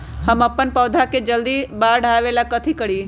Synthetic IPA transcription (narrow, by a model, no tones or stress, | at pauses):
həmɐpːənpəːd̪ʱaked͡ʒɐld̪ibaːɾɖʱaːʋelakɐt̪ʰikəɽiː